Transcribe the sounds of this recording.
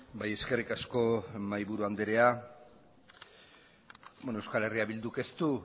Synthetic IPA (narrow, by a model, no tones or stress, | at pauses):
baje̞ske̞rikasko̞majβuɾuand̪eɾe̞a | bonoewskale̞riaβild̪uke̞st̪u